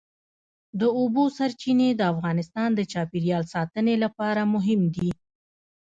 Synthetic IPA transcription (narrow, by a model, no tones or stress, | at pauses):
d̪əobosaɾt͡ʃined̪əafɣɑnɪst̪ɑnd̪ət͡ʃɑpiɾjɑlsɑt̪ənelapɑɾamʊɦɪmd̪i